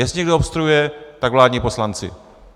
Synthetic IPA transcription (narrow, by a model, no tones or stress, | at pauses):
jɛsɲɛɡdoopst̪ɾujujɛt̪aɡvlaːdɲiːpo̞slant͡sɪ̰